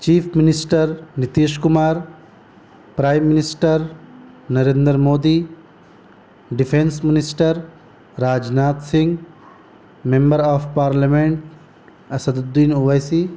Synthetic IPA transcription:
t͡ʃiːfʰminisʈɐɾnit̪iːʃkʊmaːɾ | pɾaːjmːɪnɪsʈəɾ | nɐɾeːnd̪ɾmoːd̪iː | ɖifʰensmɪnɪsʈɐɾ | ɾaːd͡ʒnaːt̪sɪ̃ŋɡ | mẽmbəɾaːfpaːɾlameɳʈ̚ | ɐsɐd̪ud̪ːiːnuʋɐjsiː

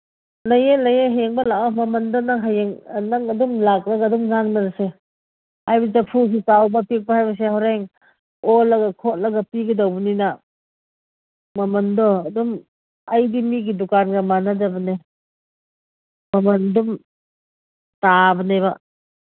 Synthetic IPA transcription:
lɐjelɐjeɦajeŋbɐlakamɐmɐndɔnaŋɦajeŋnaŋɐdumlak̚ɾaɡadumzanbɐnase | ajbit̬apʰus̬ikawbapik̚bahajbɐs̬eɦawɾeŋ | ɔlɐɡakʰɔt̚lɐɡapiɡidawbunina | mɐmɐndɔɐdum | ajdimiɡidukanɡamanadabɐne | mɐmɐndum | tabɐneba

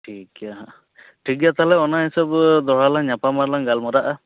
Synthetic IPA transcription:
ʈʰikaɦa | ʈʰik̚jat̪alɛɔnaɦisɔbd̪ɔɽalaŋɲapamaɾlaŋɡalmɔɾaʔa

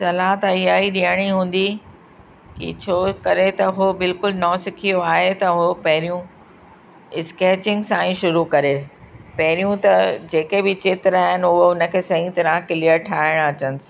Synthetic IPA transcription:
sɐlaːt̪ɐijaːiɗijəɽ̃iɦũːn̆d̪i | kḭt͡ɕʰoːkɐɾet̪ɐɦobɪlkʊlnɔːsɪkʰijoaːɦet̪ɐɦopɐɦɪɾijũ | ɪskeːt͡ɕɪ̃ŋɡsãːĩʃʊɾukɐɾe | pɐɦɪɾijũt̪ɐd͡ʑeːkebɪt͡ɕɪt̪ɾaːɦɪnɪ̆ʊɦoʊnə̆kʰeːsɐɦĩt̪ɐɾə̃kɪliəɾʈʰaːɪɽ̃ɐt͡ɕənɪ̆sɪ̥

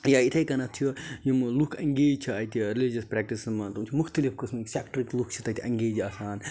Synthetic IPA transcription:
jait̪ʰɐkɐnɐt̪ʰijojumlukʰɐŋɡeːd͡ʒt͡ʃʰiɐt̪iɾilid͡ʒɐspɾɛːk̚ʈismɐt̪umt͡ʃʰimʊxt̪ɐlifkɨsmɐksʲɛːkʈɾiklukʰt͡ʃʰi̥t̪ɐt̪ʰʲiʔɐ̃ŋɡeːd͡ʒaːsaːn

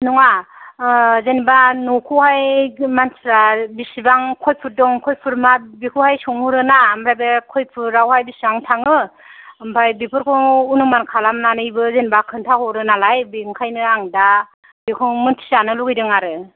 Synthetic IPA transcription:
nɔŋa | zenibanokʰɔhajmansɾabisibaŋkʰɔjpʰɯdɔŋkʰɔjpʰɯɾmabikʰuhajsɔŋhuɾɯnamɾajbekʰɔjpʰɯɾawhajbisibaŋtʰaŋɯ | mbʰajbipʰɯɾkʰɔunɯmankʰalamnanɯjbɯzenibakʰɯntʰahɔɾɯnalajbiŋkʰajnɯaŋda | bikʰɔŋmɯntʰi̥sanɯluɡijdɯŋaɾɯ

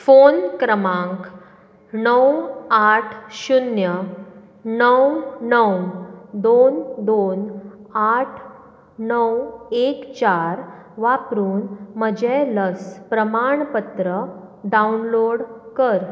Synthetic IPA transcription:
fonkɾəmãŋk | nəwaʈʰɕunjə | nəwnəwd̪ond̪onaʈʰ | nəwekt͡ɕaɾ | ʋapɾuːnməd͡ʑeləspɾəmaɳpət̪ɾə | ɖaunloɽkəɾ

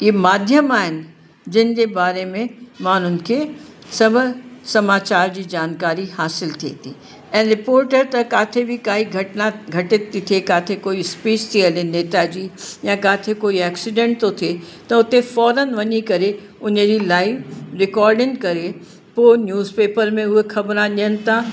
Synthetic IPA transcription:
iemaːd̪ʱjəmaːɦɪnɪ̆ | d͡ʑɪnɪ̆d͡ʑeːbaːɾemẽmaːn̤ʊnɪ̆kʰeː | sɐbʱʊsɐmaːt͡ɕaːɾd͡ʑiːd͡ʑaːnkaːɾihaːsɪlt̪ʰiḛt̪ʰḭː | ɛ̃ːɾɪpoːɾʈəɾt̪ɐkaːt̪ʰebʱɪkaːɦiɡʱɐʈnaɡʱɐʈɪt̪ːit̪ʰiekaːt̪ʰekoːispiːt͡ɕt̪ʰiɐleneːt̪ad͡ʑiːjãkaːt̪ʰekoːiɛːksɪɖẽɳʈ̚t̪ot̪ʰie | t̪ɐʊt̪efɔːɾənʋɐɲikɐɾe | ʊnəd͡ʑilaːifɾɪkɔːɾɖɪ̃ŋkɐɾe | poːnjuːzpeːpəɾmẽʊɦexʰɐbɾãɗiənɪ̆t̪ʰa

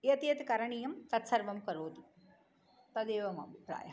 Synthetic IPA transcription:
jɐt̪iɐt̪kɐɾɳijɐmt̪ɐt̪sɐɾʋɐmkɐɾoːd̪i | t̪ɐd̪eːʋɐmɐ̰bipɾa̰ːjɐ̰

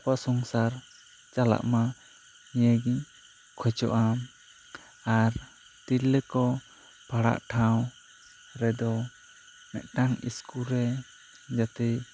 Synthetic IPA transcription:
pasɔŋsaɾ | t͡ʃala̰ʔma | ijəɡiɲ | kʰɔt͡ʃɔ̰ʔam | aɾ | t̪ilːɛkɔ | pʰaɽa̰ʔʈʰaw | ɾɛd̪ɔ | mɛ̰ʔ̪ʈaŋḭskulɾɛ | d͡ʒat̪ɛ

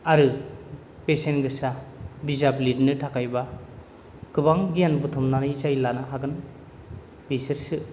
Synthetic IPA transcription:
aɾɯ | pesenɡɯsabizablidnɯtʰakajba | kɯbaŋɡijanbutʰɔmnanɯjzajlanaɦaɡɯn | bisɯɾsɯ

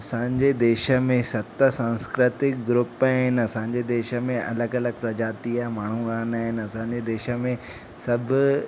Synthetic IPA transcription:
ɐsãːɲd͡ʑed̪eːʃə̆mẽsɐt̪əsãːnskɾɪt̪ɪk̚ɡɾʊpaːɦɪn̆ɐsãːɲ̆d͡ʑed̪eːʃə̆mẽʔɐ̰ləɡɐləɡ̚pɾɐd͡ʑaːt̪iamaːɳ̤ũɡaːnaːɦɪn̆ɐsãːɲ̆d͡ʑed̪eːʃə̆mẽ | sɐbʱʊ

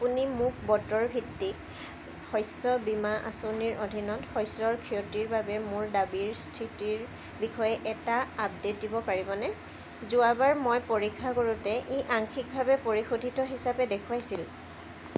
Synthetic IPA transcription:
apunimʊk̚ʰbɔtɔɹbʱitːik | hɔjsɔbimaʔa̰soniɹʔodʱinɔthɔjsɔɹkʰijɔtiɹbabɛmʊɹdabiɹstʰitiɹ | bixɔjɛʔɛtaːb̚detibɔpaɹibɔnɛ | zʊabaɹmojpoɹikʰːakoɹutɛʔeʔaŋkʰik̚bʱabɛpoɹixodʱitɔɦisapɛdekʰuajsil

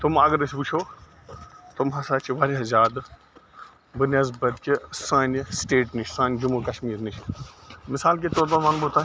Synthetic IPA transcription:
t̪ʊmɐɡəɾɐsʰʲput͡ʃʰoː | t̪ʊmɦɐsaːt͡ʃʰiʋaːɾiɐzaːd̪ | bɨnʲɐzbɐt̪kʲesãːnsʈeːʈnit͡ʃʰsãːnʲd͡ʒumukɐʃmiːɾnit͡ʃʰ | mɪsaːlk̬et̪oːɾd̪ɐɾmaːnbot̪aː

